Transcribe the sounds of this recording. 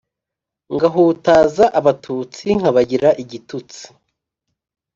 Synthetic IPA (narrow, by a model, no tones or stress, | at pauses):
ŋɡaɦutaːzaʔaβatʰut͡siŋ̥haβaɟiɾaʔiɟitut͡si̥